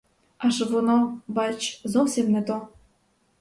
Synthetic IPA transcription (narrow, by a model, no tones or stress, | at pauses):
ɑʃɤβonobɑt͡ɕzosemnet̪o